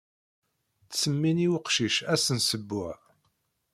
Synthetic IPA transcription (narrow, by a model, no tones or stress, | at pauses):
θsəmːiniwəqʃiʃæsənsəbːʊʕ